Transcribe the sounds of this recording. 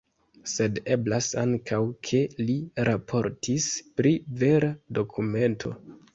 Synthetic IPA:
se̞de̞blasaŋkʰawkʰe̞liɾʔapʰo̞ɾtʰispɾive̞ɾado̞kʰume̞ntʰo̞̰

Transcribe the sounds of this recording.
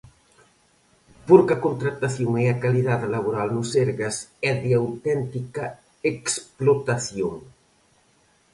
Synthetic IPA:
puɾkɐkunt̪ɾat̪aθjoŋeakaliðaðlaβuɾalnusɛɾɣɐsɛðiawt̪ɛnt̪ikɐ | eksplot̪aθjoŋ

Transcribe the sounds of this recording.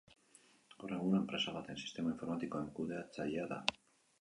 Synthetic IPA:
oreŋɣunaempɾesaβat̪aensi̥st̪e̞maiɱfoɾmat̪ikoeŋkuðeat͡saʎaða̰

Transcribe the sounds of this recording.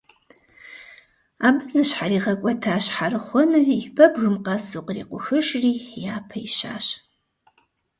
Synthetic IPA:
aːbɨzɨɕħariːʁɐkʷʼɔtʰaːɕħarɨχʷɔnɨriːbɐbɣɨmqɐsuqʼrḭːqʷʊxɨʃriːjaːpʰɐiʃa̰ːɕ

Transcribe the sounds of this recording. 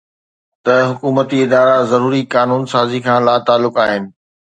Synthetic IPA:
t̪ɐɦʊkuːmət̪iɪd̪aːɾazɐɾuːɾikaːnuːnsaːzikʰãːlaːt̪aːlʊkaːɦɪnɪ̆

